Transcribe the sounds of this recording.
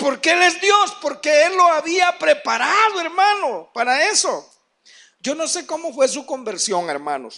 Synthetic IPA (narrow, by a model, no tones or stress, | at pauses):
po̞ɾkeele̞zd̪jo̞spo̞ɾkeelːo̞aβiapɾe̞paɾaðoe̞ɾmanopaɾae̞so | d͡ʒo̞no̞se̞ko̞mo̞fwe̞s̬ukombe̞ɾsjo̞ŋḛɾmã̰no̰s